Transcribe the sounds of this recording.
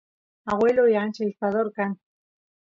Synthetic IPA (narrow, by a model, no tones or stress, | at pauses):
aɣweloiant͡ʃeispaðoɾkan